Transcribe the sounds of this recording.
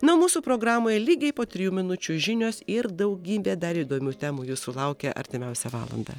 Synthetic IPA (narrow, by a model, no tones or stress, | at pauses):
nʊmuːsuːpɾoːɡɾɑːmoːjɛlʲiːɡʲɛɪpoːt̪ʲɾʲɪjuːmʲɪnʊt͡ʃʲuʒʲɪnʲoːsɪɾd̪ɐʊɡʲiːbʲeːd̪ɐɾid̪oːmʲuːt̪ʲæːmuːjuːsʊlˠɐʊkʲɛʔɐ̰ɾʲt̪ʲɪmʲɛʊsʲɛʋɑ̰ːlˠɐ̰nd̪ɑ̰ː